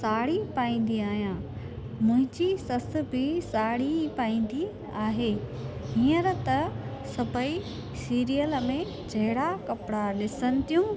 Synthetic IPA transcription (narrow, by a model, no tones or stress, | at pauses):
saːɽipaːĩːn̆d̪iaːɦijãː | mʊ̃ɦɪ̃ɲd͡ʑisɐs̆bɪsaːɽipaːĩːn̆d̪i | aːɦeː | ɦĩːəɾt̪ɐ | sɐbʱəi | siːɾijəlmẽ | d͡ʑʱɐɦɪɽakɐpɽalɪsənɪ̆t̪ijũ